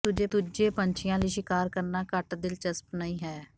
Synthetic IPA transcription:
t̪ʊd͡ʒeːt̪ʊd͡ʒeːpəɲt͡ʃʰɪjãːliːʃɪkaːɾkəɾnaːkəʈd̪ɪlt͡ʃəspnəĩːɦɛː

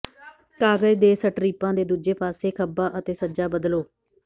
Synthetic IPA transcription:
kaːɡəjd̪eːsəʈɾiːpãːd̪eːd̪uːd͡ʒeːpaːseːkʰəbaːʔət̪eːsəd͡ʒaːbəd̪loː

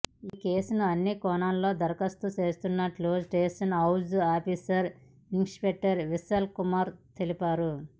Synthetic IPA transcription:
iːke̞ːsunɐɐnːikɔːnaːnlo̞ːd̪ɐɾɐkɐst̪ut͡ʃeːst̪unːɐʈloːd͡ʒʈeːsɐnɐwzaːpiːsɐɾ | iŋspek̚ʈːɐɾʋisɐlkumaːɾt̪elipaːɾu

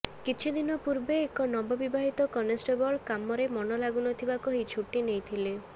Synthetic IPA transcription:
kit͡ʃʰid̪inɔpuɾbeːkɔnɔbɔbibaɦit̪ɔkɔnesʈebɔɭkamɔɾemɔnɔlaɡunɔt̪ʰibakɔɦit͡ʃʰuʈinejt̪ʰile

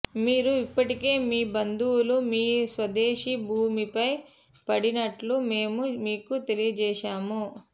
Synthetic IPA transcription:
miːɾuipːɐʈike̞ːmiːbɐnd̪uwulumiːsʋɐd̪eːʃibʱuːmipɐj | pɐɽinɐʈlume̞ːmumiːkut̪e̞lijɐd͡ʒɛːʃaːmu

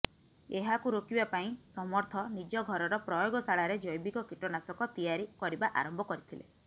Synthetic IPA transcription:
eɦakuɾokibapaĩsɔmɔɾt̪ʰɔnid͡ʒɔɡʱɔɾɔɾɔpɾɔjoɡɔsaɭaɾed͡ʒɔjbiɡɔkiʈɔnasɔkɔt̪ijaɾikɔɾibaʔa̰ɾɔmbʱɔkɔɾit̪ʰilḛ

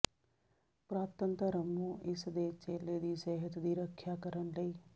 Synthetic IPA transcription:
pɾaːt̪ənt̪əɾəmũːʔɪsd̪eːt͡ʃeːleːd̪iːsɛːɦət̪d̪iːɾəkʰːjaːkəɾənləiː

